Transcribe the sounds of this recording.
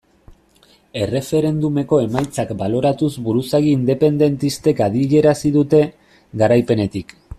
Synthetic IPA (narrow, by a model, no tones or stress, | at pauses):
e̞re̞fe̞ɾe̞nd̪ume̞ko̞e̞majt͡sakbalo̞ɾat̪uzbuɾusaɣiːnd̪e̞pe̞nd̪e̞nt̪ist̪e̞kaðiʎe̞ɾasiðut̪e̞ | ɣaɾajpe̞ne̞t̪ik